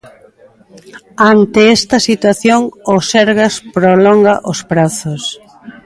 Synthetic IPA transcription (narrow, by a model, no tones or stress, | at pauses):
ant̪ɪɛst̪ɐsit̪waθjoŋʊsɛɾɣɐspɾolɔŋɡɐʔʊspɾaθʊs